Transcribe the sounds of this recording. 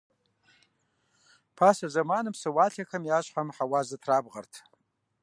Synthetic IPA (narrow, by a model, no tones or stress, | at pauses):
pʰasazamanɨmsɨwaɬʰakʰamjaʃʷħamħawazatʰrabʁə̰rtʰ